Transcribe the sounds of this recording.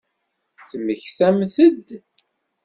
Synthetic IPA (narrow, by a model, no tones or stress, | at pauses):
θməçθæmθəd̪